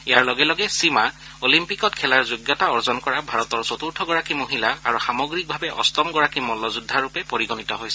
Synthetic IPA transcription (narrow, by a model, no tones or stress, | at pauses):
ijaɹlɔɡɛlɔɡɛsima | olimpikɔtkʰɛlaɹzʊɡjɔtaɔɹzɔnkɔɹabʱaɹɔtɔɹsɔtuɹtʰɔɡɔɹakimoɦilaa̰ɹuxamɔɡɹik̚bʱabɛʔɔ̰stɔmɡɔɹakimɔlɔzudʱːaɹupɛpoɹiɡɔnitɔɦojsɛ